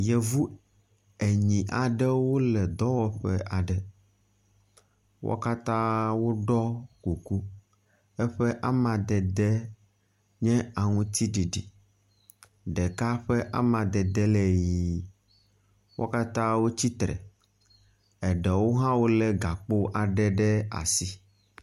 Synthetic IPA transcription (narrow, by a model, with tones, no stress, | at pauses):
jɛ˨vu˦ | e˨ɲĩ˨ʔa˨ɖɛ˦wo˦lɛ˨d̪ɔ˦wɔ˦ɸɛ̰˦ʔa˨ɖɛ˨ | wʔo̰˦ka˦t̪ã˦wo˦ɖɔ˦ku˨ku˦ | ɛ˦ɸɛ˦ʔa˦mã˨d̪ɛ˨d̪ɛ˦ | ɲɛ̃˦a˨ŋũ˦t̪i˦ɖi˨ɖi˨ | ɖɛ˨ka˦ɸɛ˦ʔa̰˦mã˨d̪ɛ˨d̪ɛ˦lɛ˦ji˨˦ | wʔo̰˦ka˦t̪ã˦wo˦t͡ɕi˦t̪ɾɛ̰˨ | ɛ˨ɖɛ˨wo˦ɦã˦wo˦lɛ˨ɡa˨k͡po˦ʔa˨ɖɛ˦ɖɛ˦a̰˨si˦